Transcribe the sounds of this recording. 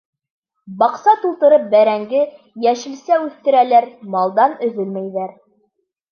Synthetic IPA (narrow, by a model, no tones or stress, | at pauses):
bɑqsɑt̪ulˠt̪ɤ̆ɾɤp̚bæɾæŋɡɘ | jæʃɘ̆lsæʉθt̪ɘ̆ɾælæɾmɑlˠd̪ɑnɵ̆ðɵlmæjðæɾ